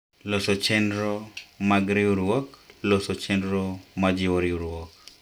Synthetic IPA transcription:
losot͡ʃɛndɾomaɡɾɪuɾwɔklosot͡ʃɛndɾomad͡ʒɪwoɾɪuɾwɔk̚

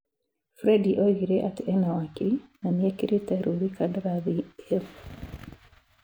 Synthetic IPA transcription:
fɾɛdiʔoiɾeʔatɛnawakinanjɛkɪɾetɛɾuɾikadɾaðie

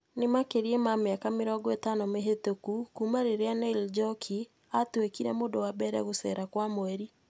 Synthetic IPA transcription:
nemakeɾiɛmameakameɾɔːɡɔetanɔmeɦetokukumaɾeɾeanɛild͡ʒɔkʰi | atwekiɾɛmodowabɛɾɛ̰ɣosɛ̰ɾakwamoɛɾi

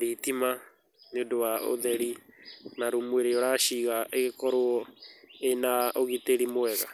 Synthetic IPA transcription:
ɾetima | neodowao̰ðɛɾinaɾomweɾeoɾaʃiɣaeɣekɔɾoɔenaoɣiteɾimoɛɣa̰

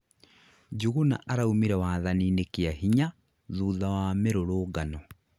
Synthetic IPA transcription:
d͡ʒuɣuna̰ʔaɾaumiɾɛwaːðaninekeahiɲa | ðuːðawameɾoɾoːɡanɔ

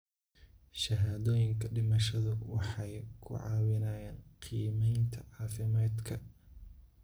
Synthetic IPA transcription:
ʃɐɦaːðɔːjɪŋkʰɐɖɪmɐʃɐðʊwɑħɑjkʰʊ̰ʕɑ̰ːwɪnɐːjaːnqʰiːmɛjnt̪ʰɐʕɑːfɪmaːd̪kʰɐ

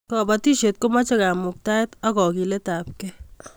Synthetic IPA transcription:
kɔːbɐt̪iʃet̪̚komat͡ʃɐɡaːmuk̚t̪aːet̪ɐɡɔːɡilet̪aːp̚ke

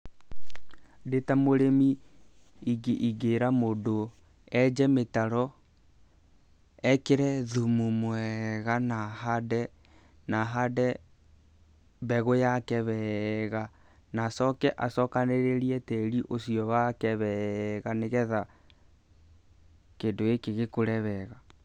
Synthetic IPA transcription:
detamoɾemi | iɡeʔiɡeɾamodo | ɛd͡ʒɛmetaɾɔ | ɛkeɾɛðumumwɛɣanaɦadɛ | naɦadɛ | bɛɣojakɛβɛɣa | nasɔkɛʔasɔkaneɾeɾiɛtɛɾiʔosiɔβakɛβɛɣaneɣɛða | kendoekeɣekoɾɛβɛɣa

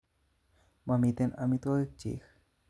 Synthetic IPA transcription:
mamit̪enamit̪oik̚t͡ɕḭx

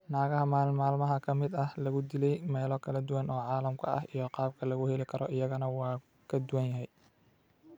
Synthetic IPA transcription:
naːɣɐɦɐmaːlmaːlmɐɦɐkʰɐmɪd̪ɐhlɐɣʊd̪ɪlɛjmɛːlɔkʰɐlɐd̪ʊwɐnɔːʕɑːlɐmkʰɐʔɐ̰ɦijɔqɑːb̚kʰɐlɐɣʊhɛlɪkʰɐɾɔʔɪjɐɣɐnɐwɑː | kʰɐd̪ʊwɐnjɐɦɛj

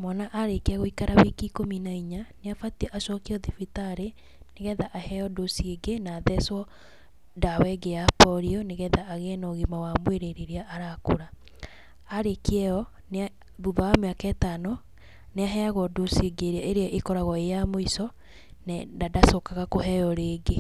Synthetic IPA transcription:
mɔnaʔaɾekeaɣoikaɾawikikominaiɲaneafatiʔaʃɔkiɔðifitaɾe | neɣɛðaʔahɛɔdosieɡenaðɛswɔ | dawɛɡejapɔɾiɔneɣɛðaʔːɣɛnaoɣimawamweɾeɾeɾeaʔaɾakoɾa | aɾekeɛɔ | nea | ðuβaameakɛtano | neaɦɛaɣɔdosieɡeɾaʔeɾeaʔekɔɾaɣɔejamoisɔ | nɛndadasokaɣakoɦɛjɔɾeːɡe

